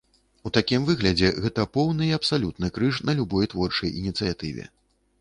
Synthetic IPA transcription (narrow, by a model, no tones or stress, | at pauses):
ut̪akʲimvɨɣlʲɐd͡zʲɛɣɛt̪ɐpɔwnɨiɐpsalʲut̪nɨkɾɨʂnɐlʲubɔjt̪vɔrt͡ʂɐjinʲit̪sɨjat̪ɨvʲɛ̰